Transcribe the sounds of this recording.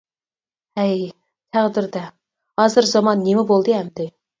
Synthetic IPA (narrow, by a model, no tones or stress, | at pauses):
ɛj | t̪ʰæʁd̪ɪɾd̪ɛ | hɑːzɨɾzɑmɑnːemɪbolˠd̪ɨɦɛmd̪ɪ